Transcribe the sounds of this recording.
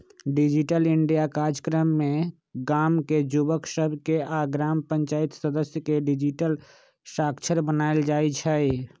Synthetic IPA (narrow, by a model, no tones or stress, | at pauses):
ɖid͡ʒiʈəlɪɳɖijakaːɾd͡ʒəkɾəmːẽ | ɡaːmked͡ʒubəksəbʱkeʔaɡɾaːmpəɲt͡ʃaːit̪səd̪əsjəkeɖɪd͡ʒiʈəl | ʃaːkt͡ʃʰəɾbənaːeld͡ʒaːit͡ʃʰɛi